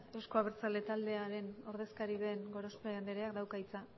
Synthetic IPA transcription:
ewsko̞aβeɾt͡sale̞t̪ald̪e̞aɾe̞no̞ɾðe̞skaɾiðe̞ŋɡo̞ɾo̞speand̪eɾeakd̪awkait͡sa

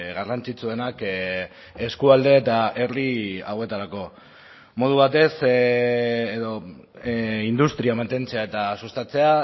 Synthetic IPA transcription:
ɣarant͡ʃit͡sue̞nak | e̞skuald̪e̞ːt̪aeriawe̞t̪aɾako̞ | mo̞ð̞uβ̞at̪e̞s | eðo̞ | ind̪ust̪ɾiamant̪e̞nt͡se̞ae̞t̪asust̪at͡se̞a

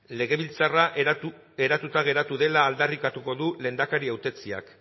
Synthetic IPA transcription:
le̞ɣ̞e̞βilt͡sara | e̞ɾat̪ut̪aɣ̞e̞ɾat̪uðe̞laːld̪arikat̪uko̞ðule̞ːnd̪akaɾiawt̪e̞t͡sia̰k

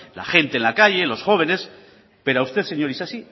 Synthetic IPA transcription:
la̰χe̞nt̪enlakaʎe̞lo̞sxo̞β̞e̞ne̞s | pe̞ɾoawst̪e̞θse̞ɲo̞ɾisasi

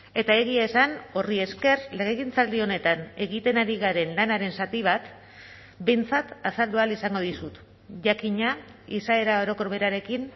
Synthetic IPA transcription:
e̞t̪ae̞ɣ̞iaesano̞rie̞ske̞rle̞ɣeɣint͡sald̪io̞ne̞t̪ane̞ɣit̪e̞naɾiɣaɾe̞nlanaɾe̞nsat̪iβat̪ | be̞jnt͡sat̪asald̪ualisaŋɡo̞ð̞isut̪ | ʝakiɲa | isae̞ɾao̞ɾo̞ko̞ɾβe̞ɾaɾe̞kin

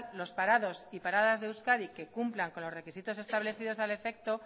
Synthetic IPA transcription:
lo̞spaɾaðo̞sipaɾaðazðewskaɾike̞kumplaŋko̞nlo̞zre̞kisit̪o̞se̞st̪aβle̞θið̞o̞sale̞fe̞k̚t̪o̞

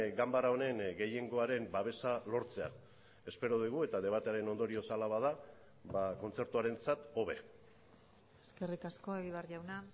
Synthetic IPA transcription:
ɡambaɾao̞ne̞ŋɡe̞je̞ŋɡo̞aɾe̞mbaβ̞e̞salo̞ɾt͡se̞a̰ | e̞spe̞ɾo̞ðuɣ̞ue̞t̪að̞e̞β̞at̪eaɾe̞no̞nd̪o̞ɾio̞salaβað̞a | βako̞nt͡se̞ɾt̪uaɾe̞nt͡sat̪o̞βe̞ | eske̞rikasko̞eɣiβaɾʝawna

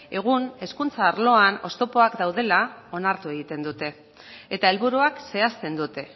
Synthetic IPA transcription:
e̞ɣ̞une̞skunt͡saːɾlo̞ano̞̰st̪o̞po̞akd̪awðe̞lao̞naɾt̪ue̞ɣ̞it̪e̞nd̪ut̪e̞ː | t̪ae̞lβuɾuakse̞ast̪e̞nd̪ut̪e̞

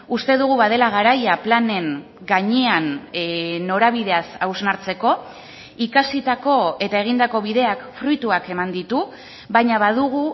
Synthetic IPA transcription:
ust̪e̞ðuɣ̞uβaðe̞laɣ̞aɾajaplane̞ŋ | ɡaɲean | nːo̞ɾaβ̞iðe̞asawznaɾt͡se̞ko̞ | ikasit̪ako̞e̞t̪ae̞ɣ̞ind̪ako̞βiðe̞akfɾujt̪uake̞mand̪it̪u | βajɲaβaðuɣ̞u

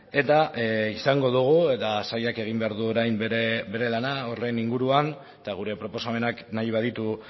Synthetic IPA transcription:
e̞t̪aisaŋɡo̞ðuɣ̞ue̞t̪asajake̞ɣ̞imbe̞aɾðuo̞ɾajmbɾebe̞ɾe̞lanaore̞niŋɡuɾuan | t̪aɣ̞uɾe̞pɾo̞po̞same̞naknajβaðit̪u

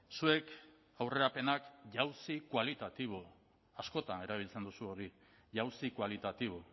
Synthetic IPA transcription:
sue̞k | awre̞ɾape̞nakʝawsikwalit̪at̪iβ̞o | asko̞t̪ane̞ɾaβ̞ilt͡se̞nd̪usuo̞ɾi | ʝawsikwalit̪at̪iβ̞o

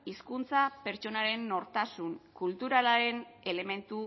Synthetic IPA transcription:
iskunt͡sape̞ɾt͡ʃo̞naɾe̞nːo̞ɾt̪asuŋkult̪uɾalaɾe̞ne̞le̞me̞nt̪u

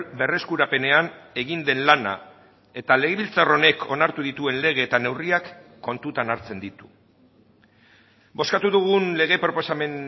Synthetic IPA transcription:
be̞re̞skuɾape̞ne̞ane̞ɣind̪e̞nlana̰ | e̞t̪ale̞ɣe̞βilt͡saro̞ne̞kʰo̞naɾt̪uðit̪ue̞nle̞ɣ̞e̞ːt̪ane̞wriakː | o̞nt̪ut̪anaɾt͡se̞nd̪it̪u̥ | bo̞skat̪uðuɣ̞unle̞ɣ̞e̞pɾo̞po̞same̞n

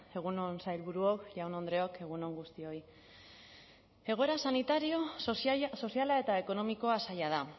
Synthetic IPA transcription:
e̞ɣ̞unonsajlβuɾuo̞kʎawno̞nd̪ɾe̞o̞ke̞ɣ̞uno̞ŋɡust̪io̞i | e̞ɣ̞o̞e̞ɾasanit̪aɾio̞ | so̞sialae̞t̪ae̞ko̞no̞miko̞asajað̞a

